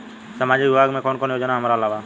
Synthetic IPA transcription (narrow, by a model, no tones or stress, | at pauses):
səmaːd͡ʒiʋɪbʱaːɡmẽːkoːnkoːnjoːd͡ʒnaɦəmɾaːəlaːʋaː